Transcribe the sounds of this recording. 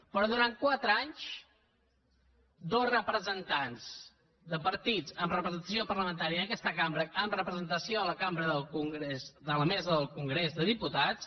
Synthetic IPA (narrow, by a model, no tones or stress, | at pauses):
pɾɔðuɾankwat̪ɾəaɲt͡ʃ | d̪ozrəpɾəzənt̪anz | d̪əpəɾt̪id͡zəmrəpɾəzənt̪əsiopərləmənt̪aɾiəəkɛst̪əkambɾəəmrəpɾəzənt̪əsioələkambɾəðəlˠkuŋɡɾezd̪ələmɛzəðəlˠkuŋɡɾezðəðiput̪at͡s